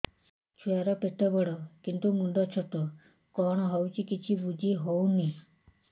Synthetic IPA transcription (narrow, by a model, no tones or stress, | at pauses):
t͡ʃʰuaɾɔpeʈɔbɔɽɔkint̪umuɳɖɔt͡ʃʰɔʈɔ | kɔɦɽ̃ɔɦɔwt͡ʃʰikit͡ʃʰibud͡ʒiɦowni